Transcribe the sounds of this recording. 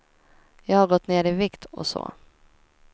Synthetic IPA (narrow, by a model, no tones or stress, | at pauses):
jɑːɡhaɾɡɔt̪ːneːɾɪvɪkt̪ʰɔ̰so̰ː